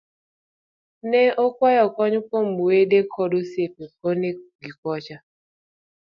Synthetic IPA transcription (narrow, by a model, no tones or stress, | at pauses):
nɛʔokʷajɔkɔɲʊpom̩uwedekʰɔdosepekɔneɡikɔt͡ʃa